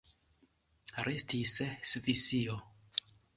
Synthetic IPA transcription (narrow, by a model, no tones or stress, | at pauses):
ɾestʰissfisio